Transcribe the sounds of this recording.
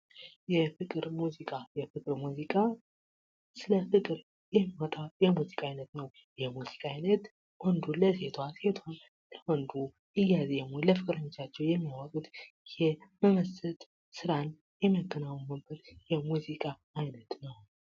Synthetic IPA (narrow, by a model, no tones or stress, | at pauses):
jɛfɨkʼɨɾmuzikʼajɛfɨkʼɨɾmuzikʼa | sɨləfɨkʼɨɾ | jɛmːiɔt̪ʼajɛmuzikʼajnət̪nəw | jɛmuzikʼainət̪ | wɔnd̪uləse̞t̪ʰwase̞t̪ʰwan | lʰəwɔnd̪u | ɨjːazɛmoləfɨkʼɾəɲːot͡ʃːat͡ʃːɛwjɛmːawəkʼut̪ʼ | jɛməməsɨt̪ʼ | sɨɾan | jɛməɡːənawumɨbɨɾjɛmuzikʼaːjnət̪nəw